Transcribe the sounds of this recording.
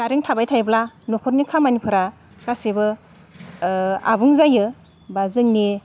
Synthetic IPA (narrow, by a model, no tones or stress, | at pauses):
ɡaɾiŋtʰabajtʰajblanɔkʰɔɾnikʰamanipʰɯɾa | kasebɯ | a̰buŋzajɯ | bazɯŋne